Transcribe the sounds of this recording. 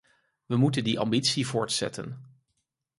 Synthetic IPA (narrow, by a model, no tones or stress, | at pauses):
ʋəmutəndiʔɑ̰mbitsivʊːɹtsɛ̰tə̰n